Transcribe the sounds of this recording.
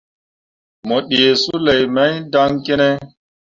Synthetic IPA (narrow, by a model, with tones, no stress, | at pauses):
mɔ˨ɗi˨e˨su˦le˨jma˦jda˦ŋke˦ne˦